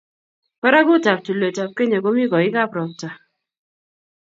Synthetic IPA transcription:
pa˦ɾa˦kʊ˦ta˨p̚tu˨le˨ta˨p̚ke˦ɲa˨ko˦mi˦kɔ˨ɪ˦ka˦˨pɾɔ˨k̚ta˨

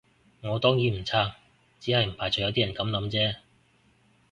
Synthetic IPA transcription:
ŋɔː˨˧t̪ɔː˥ŋjiː˨˥m̩˨˩t͡sʰaː˥k̚ | t͡siː˨˥hɐ˨jm̩˨˩pʰaː˨˩t͡sɔ˨˧jɐ˨˧wt̪iː˥ɐ˨˩nkɐ˨˥mlɐ˨˧˥mt͡sɛː˥

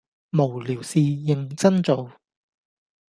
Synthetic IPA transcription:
mo˨˩wliː˨˩wsiː˨˧jɪ˨˩ŋt͡sɐ˥nt͡so˨˧w

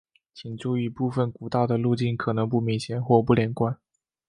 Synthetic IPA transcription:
t͡ɕʰi˨˩ŋʈ͡ʂu˥˧i˧pu˥˩fə˨˩nku˨˩t̪ɑ˥˩ʊd̪ə˩lu˥˧t͡ɕi˥˩nkʰɤ˨˩nɤ˧˥ŋp̬u˥˧mi˧˥ŋɕjɛ˨˧˩nxwɔ˥˧pu˥˩ljɛ˨˩nkwa˥n

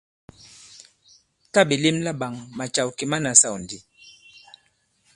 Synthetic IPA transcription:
ta˦˨bi˨li˦mla˦ɓa˨ŋma˨t͡ʃa˨wki˨ma˦na˨sa˦˨wndi˨

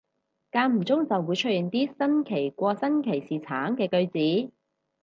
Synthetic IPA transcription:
kaː˧nm̩˨˩t͡sʊ˥ŋt͡sɐ˨wːuː˨˧jt͡ʃʰɵ˥t̚ji˨ŋt̪iː˥sɐ˥nkʰe˨˩jkʷɔː˧sɐ˥nkʰe˨˩jsiː˨˩t͡sʰaː˨˥ŋkɛː˧kɵ˧ɥt͡siː˨˥

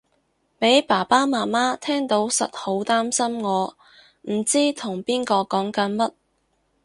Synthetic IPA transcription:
pe˨˥jpaː˨˩paː˥maː˨˩maː˥t̪ʰɛː˥ŋt̪o˨˥wsɐ̰˨t̚ho˨˥wt̪aː˥msɐ˥mŋɔː˨˧ | m̩˨˩t͡siː˥t̪ʰʊ˨˩ŋpiː˥nkɔː˧kɔː˨˥ŋkɐ˨˥nmɐ˥t̚

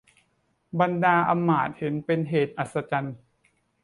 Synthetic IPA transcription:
ba˧ndaː˧ʔa˧mːaː˨˩t̪̚he˩˦npe˧nɦeː˨˩t̪̚ʔa˨˩t̪̚sa˧t͡ɕa˧n

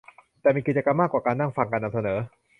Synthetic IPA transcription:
t̪ɛː˨˩miː˧ki˨˩t̪̚t͡ɕa˧ka˧mːaː˥˩kwaː˨˩kaː˧nːa˥˩ŋfa˧ŋkaː˧nːa˧msa˧nɤː˩˦

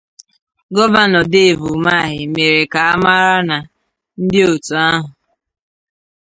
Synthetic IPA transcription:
ɡɔ˦va˦nɔ˨de˦˨vu˨ma˦˨ɦɪ˨me˨ɾe˨ka˨a˦ma˦ɾa˦na˨ | n̩˦dɪ˦o˨tu˨a˦ɦʊ˨

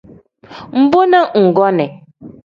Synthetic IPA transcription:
m̩˨bʊ˦na˦ŋ̩˨ɡɔ˦nɛ˨

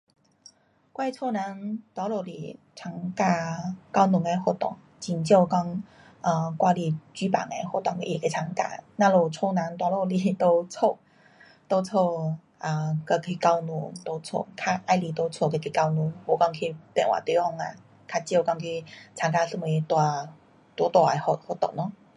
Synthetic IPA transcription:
kwa˥˧jt͡sʰo˥˧na˧˦nt̪wa˧˦lo˨˩lḭ˨˩ | t͡sʰa˨˧˩ŋka˥˧ka˦˥wnu˨˦ŋe˧xo˥˧˩t̪ɔ̰˨˩ŋ | t͡ɕi˨nt͡ɕjo˥˧˨kɑ˥˦ŋ | ə˨kwa˧li˧˨t͡ɕy˦˥pa̰˨˩ŋe˧ho˥˧˩t̪ɔ˨ŋke˧ʔi˧˩ke˧t͡sʰa˧˥˦ŋka̰˧˩nã˧lo˨˩t͡sʰo˥˧nã˨˦nt̪wa˧˦lo˧˩li˨t̪o˦t͡sʰo˥˧ | t̪o˧t͡sʰo˥˧ | ʔa˧˩kə˧kʰi˧ka˧˦wnṵ̃˧˦t̪o˧t͡sʰo̰˥˧˨kʰa˥˧˩ʔa˧jli˧˩t̪o˧˦t͡sʰo˥˧˨ke˧kʰi˧˩ka˧˦wnũ˧˦wɔ˨˩kɑ˧ŋkʰi˧pɛ̰˨nwa̰˨˩t̪i˧˦ɔ˥˧ŋa̰˧ | kʰa˧t͡ɕjo˥˧˩kŋkʰi˧t͡sʰa˨˧ŋka˥˧sə˥˧m˧i˧t̪wa˨˧ | t̪wɔ˧˦t̪wa˧˩e˧˩ho˧˩ho˥˧˩t̪ɔ̰˨˩ŋnɔ˦

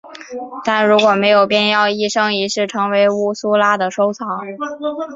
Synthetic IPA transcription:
t̪a˥˩nɻu˧˥kwɔ˨˩me˧˥ɪjo˨˩ʊpjɛ˥˧njɑ˥˧ʊi˥˧ʂɤ˥ŋi˧˥ʂɻ̩˥˩ʈ͡ʂʰɤ˧˥ŋwe˧˥ɪu˥su˥la˥d̪ə˨ʂo˥ʊt͡sʰɑ˧˥˦ŋ

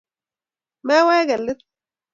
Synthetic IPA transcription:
ma˦waː˦ɡa˨lːɪ˦t̪

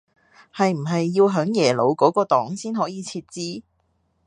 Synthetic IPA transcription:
hɐ˨jm̩˨˩ɦɐ˨jːiː˧wɦœː˨˥ŋjɛː˨˩lo˨˧wkɔː˨˥kɔː˧t̪ɔː˨˥ŋsiː˥nɦɔː˨˥jiː˨˧t͡sʰiː˧t̚t͡siː˥

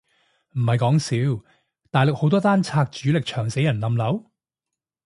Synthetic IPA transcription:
m̩˨˩hɐ˨jkɔː˨˥ŋsiː˨˥w | t̪aː˨jlʊ˨k̚ho˨˥wt̪ɔː˥t̪aː˥nt͡sʰaː˧k̚t͡ʃyː˨˥lɪ˨k̚t͡ʃʰœː˨˩ŋse˨˥jɐ˨˩nlɐ˨˧mlɐ˨˥w

